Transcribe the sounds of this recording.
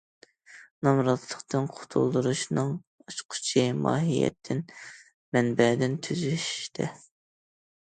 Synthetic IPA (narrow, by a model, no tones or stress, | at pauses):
nɑmɾɑt̪lˠəqt̪ʰɨnqʰʊ̥t̪ʰṵlˠd̪uɾuʃnɨŋ | ɑt͡ʃqʰʊ̥t͡ʃʰimɑ̰ːɦijɛ̰t̪ʰːɪn | mɛnbɛd̪ɪnt̪ʰyzyʃʃt̪ʰɛ